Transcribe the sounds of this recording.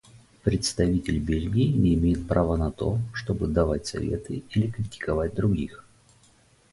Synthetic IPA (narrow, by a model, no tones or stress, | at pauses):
pɾʲɪt̪st̪ɐvʲitʲɪlʲbʲelʲɡʲɪɪnʲɪːmʲejɪt̪̚pɾavənɐt̪o̞ʂt̪o̞bɨd̪ɐvatʲsɐ̰vʲe̞̰t̪ɨilʲɪkɾʲɪtʲɪ̥kɐvat̚ʲd̪ɾʊɡʲix